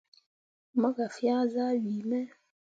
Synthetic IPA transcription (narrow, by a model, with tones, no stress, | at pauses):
ma˦ka˨fja˦za˦ɓi˨mɛ˦